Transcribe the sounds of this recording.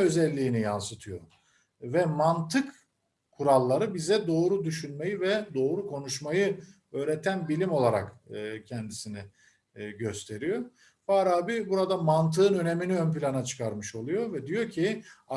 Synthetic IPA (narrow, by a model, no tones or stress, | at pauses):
ø̞zɛlʲːiːnija̰nsɯt̪ʰɯjo̞̰ | vɛmant̪ʰɯk | kʰːuɾalˠːaɾɯbizɛd̪o̞ːɾud̪yʃynme̞jivɛd̪o̞ːɾukʰo̞nuʃmajɯ | ø̞ːɾɛt̪ʰænbilʲimo̞lˠaɾa̰kːcʰɛnd̪isinɪ | ɟøst̪ʰe̞ɾijo̞ | faːɾaːbibuɾad̪amant̪ʰɯɯnø̞ne̞miniønpilʲanat͡ʃʰɯ̥kʰaɾmɯʃo̞lˠujo̞vɛd̪ijo̞cʰia